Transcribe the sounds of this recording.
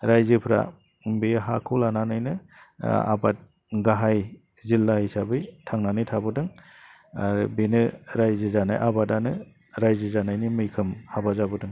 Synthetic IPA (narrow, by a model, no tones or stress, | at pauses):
ɾajzɯpʰɾa̰ | bijɦakʰulananɯjnɯ | a̰bat̚ | ɡaɦaj | zilːahisabɯjtʰaŋnanɯjtʰabɯdɯŋ | aɾɯbinɯɾajzɯzana̰jʔabadanɯ | ɾajzɯzanajnimɯjkʰɯmhabazabɯdɯŋ